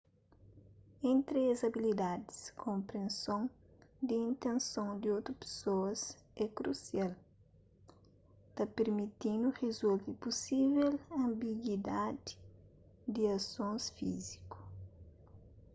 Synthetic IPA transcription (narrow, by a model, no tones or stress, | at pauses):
ẽnt̪ɾiɐzɐbilid̪ad̪i̥skʰõmpɾẽnsõŋ | d̪iĩnt̪ẽnsõŋd̪iot̪ɾupe̥soɐs | ɛkɾṵsjal | t̪apeɾmit̪ĩnd̪urezult̪ipusivɛlɐ̃mbiɡwid̪ad̪i̥ | d̪iɐsõnsfiziku̥